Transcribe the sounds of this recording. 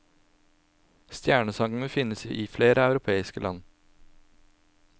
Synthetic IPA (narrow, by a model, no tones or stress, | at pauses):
st̪jæːɳəsɑŋɡnəfɪnəsḭːʔiːfleːɾəɑʉɾʊpʰeːɪskəlʔɑ̰n